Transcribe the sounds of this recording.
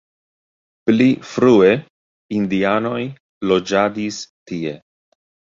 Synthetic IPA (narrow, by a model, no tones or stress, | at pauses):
plifɾue̞ | ind̪iano̞j | lo̞d͡ʒadistie̞